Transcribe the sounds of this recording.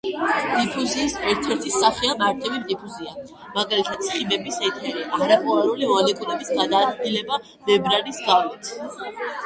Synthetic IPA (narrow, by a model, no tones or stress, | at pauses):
d̪̥ʼipʰuziːsɛɾt̪ʰɛɾt̪ʰisaχiamaɾt̪ʰɛvimt̪ʼipʰuzia | maɡalit̪ʰad̪̥̚sχibɛbisɛt̪ʰɛɾiʔaɾapʰuaɾulimɔalɛkʼuɾɛbisɡad̪aːd̪ɡilɛba | bɛbɾaɾisɡalit̪ʰ